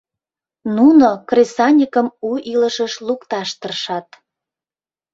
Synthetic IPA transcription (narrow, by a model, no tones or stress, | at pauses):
nunokrʲesɑnʲikəmuiləʃəʃlukt̪ɑʃt̪ərʃɑt̪